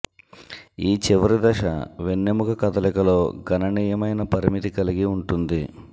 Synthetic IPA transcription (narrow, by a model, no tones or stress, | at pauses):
iːt͡ʃiʋɐɾid̪ɐʂɐ̰ʋenːemukɐkɐt̪ɐlɛkɐlo̞ːɡɐnɐniːjɐmɐjnɐpɐɾimit̪ikɐliɡiuɳʈund̪i